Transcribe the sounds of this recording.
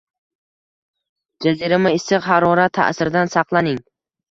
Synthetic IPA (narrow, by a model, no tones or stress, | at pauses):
d͡ʒaziɾamɪɪsɪqhaɾɒɾat̪ʰːa̰ʔsɪɾd̪ansɑqlˠanɪŋ